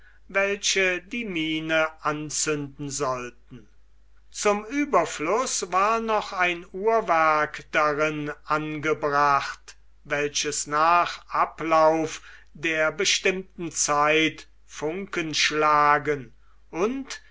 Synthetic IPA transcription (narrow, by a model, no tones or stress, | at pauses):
vɛlʃədiːmiːnəʔant͡sʏndn̩zɔltn̩ | t͡sʊmyːbɐflʊsvaːɐnɔχaɪnuːɐvæɐkd̥aʁɪnʔanɡəbʁaχt | vɛlʃəsnaːχʔaplaʊfdeːɐbəʃtɪmtn̩t͡saɪt | fʊŋkənʃlaːɡən | ʔʊnt